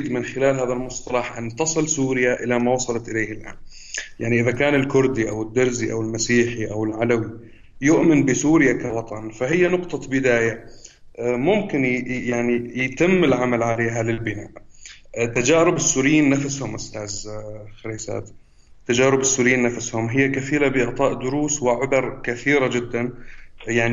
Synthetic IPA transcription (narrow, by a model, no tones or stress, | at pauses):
d̪mɪnxɪlaːlɦaːðalmʊsˤt̪ˤɑlɑħʔa̰nːt̪ɑsˤɨlsuːɾɪjaʔɪlamawɑsˤɑlɑt̪ʔɪleːhɪlʔa̰ːn | jaʕniʔɪðakaːnɪlkʊɾd̪iʔawɪd̪ːɑɾziʔa̰wɪlmasiːħiʔawɪlʕalawi | jʊʔmɪnbɪsuːɾɪjakawɑt̪ˤɑnfaɦɪjːanʊqt̪ˤɑbɪd̪aːja | mʊmkɪnjaʕnijɪt̪ɪmːɪlʕamalʕaleːɦalɪlbɪna̰ːʔ | t̪ːad͡ʒaːɾɪbɪsːuːɾɪjiːnːafshʊmʔʊst̪aːzxaɾiːsa̰ːt̪ | t̪ːad͡ʒaːɾɪbɪsːuːɾɪjiːnːafashʊmɦɪjːakaθiːɾabɪʔɪʕt̪ˤɑːʔd̪ʊɾuːswɪʕʊbɑɾˤkaθiːɾad͡ʒɪd̪ːanjaʕni